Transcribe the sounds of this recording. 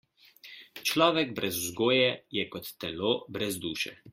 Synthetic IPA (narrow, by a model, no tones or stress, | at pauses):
t͡ʃlɔːʋɛɡbɾʔɛzuzɡoːjɛjɛkɔt̪ːɛloːbɾɛzd̪uːʃɛ̰